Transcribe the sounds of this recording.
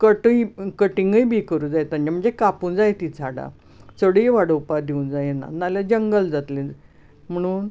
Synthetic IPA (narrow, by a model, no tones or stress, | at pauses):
kəʈəjkəʈiŋɡəjbiːkəɾũːd͡zajet̪əɲd͡ʑam̤əɳd͡zekapuːnd͡zajet̪it͡saɽa̰ | səɽiːʋaɽəwpad̪ʱeund͡zajena̰nalad͡ʑəŋɡəld͡zat̪lẽ | m̤əɽ̃uːn